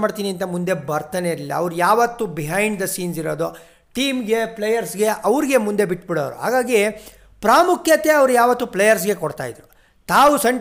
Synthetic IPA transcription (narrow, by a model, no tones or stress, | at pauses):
maːɽt̪iːniɐnt̪ɐmund̪e̞bɐɾt̪aːneilːɐ̰ɐ̰ʋɾujaːʋɐt̪ːubiɦajɳɖd̪ɐsiːnsiɾoːd̪u | ʈiːmɡe̞plejɐɾsɡe̞ʔɐʋɾiɡe̞mund̪e̞biʈbiɽoːʋɾṵɦa̰ːɡaːɡi | pɾaːmukʰjɐt̪eɐʋɾujaːʋɐt̪ːuplejɐɾs̬ɡe̞kɔɽt̪a̰ːjid̪ɾu | t̪aːʋusɐɳ